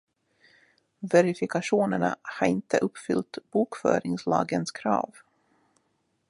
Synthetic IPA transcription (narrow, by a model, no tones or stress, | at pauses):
vɛɾɪfɪkaʂuːnəɳa̰haɾɪnt̪ʰəʔɵpːfʏlt̪b̥uːkfœːɾɪŋslɑ̰ːɡənskʰɾɑːv